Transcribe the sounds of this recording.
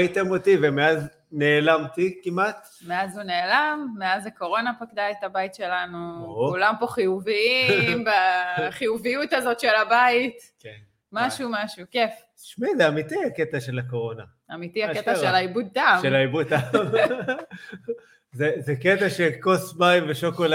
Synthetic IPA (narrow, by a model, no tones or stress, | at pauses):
ait̪emot̪ivemeaz | ne̞ːlamt̪ikimat̪ | meazhune̞ːlamːeazako̞ʁo̞napakd̪aetabaitʃe̞lanuokulampo̞χijuviimbaχijuvijutazo̞tʃe̞labaitken | maʃumaʃukef | ʃmizeamit̪iaket̪aʃelako̞ʁo̞na | amit̪iaket̪aʃelaibud̪̚tamelaibut̪a | zezeket̪aʃelkosbajveʃokola